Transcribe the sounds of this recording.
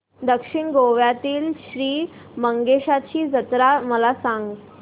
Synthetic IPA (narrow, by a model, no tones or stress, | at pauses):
d̪əkʂiɳɡoʋjat̪iːlɕɾiː | məŋɡeɕat͡ɕiːd͡zət̪ɾaməlasaŋɡ